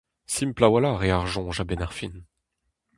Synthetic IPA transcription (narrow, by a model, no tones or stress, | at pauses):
simplawalaʁeaʁʒɔ̃ʒabenaʁfin